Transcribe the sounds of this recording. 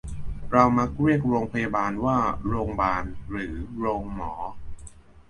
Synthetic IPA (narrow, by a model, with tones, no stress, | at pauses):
ɾa˧wma˦˥k̚ɾi˥˩ək̚ɾoː˧ŋpʰa˧ja˧baː˧nwaː˥˩ɾoː˧ŋbaː˧nɾɯː˩˦ɾoː˧ŋmɔː˩˦